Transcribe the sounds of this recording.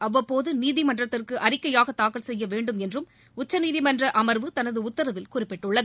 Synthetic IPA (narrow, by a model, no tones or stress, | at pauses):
ɐʋːɐpːoːðɯniːðɪmɐndrɐt̪ːɪrkɯʔɐrɪkːɐjaːɣɐt̪ːaːkɐɭsɛjːɐʋeːɳɖɯmɛndrɯm | ʊt͡ʃːɐniːðɪmɐndrɐʔɐmɐɾʋɯt̪ɐnɐðɯʊt̪ːɐɾɐʋɪlkʊrɪpːɛʈːɯɭːɐðɯ